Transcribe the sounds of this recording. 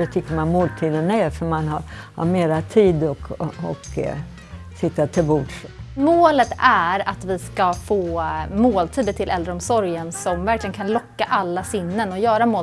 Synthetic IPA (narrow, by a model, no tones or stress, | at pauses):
ɛt̪ʰʏkːəɾmanmoːlt̪ʰiːd̪ənæfœɾmanhaɾha̰ɾmeːɾat̪ʰiːd̪ɔkɔk | sɪt̪ːat̪ʰɪlbɔɖʂmoːlət̪æɾat̪vɪskafoːmoːlt̪ʰiːd̪ət̪ʰɪlʔɛld̪ɾəɔmsɔɾjənsɔmvæɾklɪɡənkʰanlɔkːaʔalːasɪnːənɔjœːɾamoː